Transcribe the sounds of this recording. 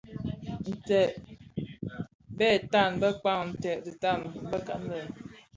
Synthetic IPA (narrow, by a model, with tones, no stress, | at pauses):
n̩˨tɛ˨ʔ | bɛ˦˨ta˦˨nbə˦k͡pa˦˨ŋ˨n̩˨tɛ˨ʔdi˨ta˦˨nbə˦ka˨n̩˦də˨